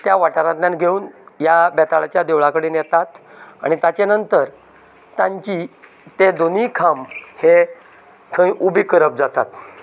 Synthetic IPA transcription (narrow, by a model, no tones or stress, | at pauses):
t̪jaʋaʈaɾat̪nanɡʱeuːnjabɛt̪aɭat͡ɕjad̪eʋɭakəɽenjɛt̪at̪ | a̰ɽ̃it̪at͡ɕanənt̪əɾ | t̪ãɲt͡ɕi | t̪ed̪onikʰamhe | t̪ʰə̃jʔubikəɾəp̚d͡zat̪a̰t̪